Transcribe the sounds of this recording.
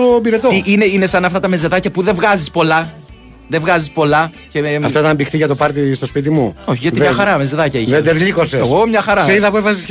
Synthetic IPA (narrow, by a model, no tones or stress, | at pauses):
obiɾet̪oʔineinesɐnɐft̪ɐt̪ɐme̞ze̞ðɐcɐpuðevɣɐzispo̞lɐ | ðevɣɐzispo̞lɐ | ce̞ɐft̪oit̪ɐmbixt̪iʝɐt̪opɐɾt̪ist̪o̞spit̪̬imuoçiʝɐt̪imɲɐxɐɾɐmeze̞ðɐcɐied̪eðliko̞sesɣomɲɐxɐɾɐseiðɐpuefɐsis